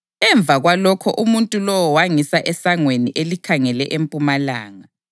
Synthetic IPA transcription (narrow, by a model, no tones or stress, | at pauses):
ɛɱb̪vʱaɣwalɔkʰɔʔumuntʼulɔwɔwaŋisaʔɛsaŋweniʔelikʰaŋɛlɛʔempʼumalaːŋa